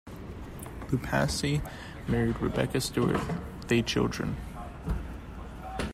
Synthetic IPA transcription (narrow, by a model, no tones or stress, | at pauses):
b̥ʉpʰæ̰si | mɛɹid̚ɹɨ̰bɛ̰kɨstɔɹt | ðet͡ʃʰɪ̰lˠdɹɨ̰̃n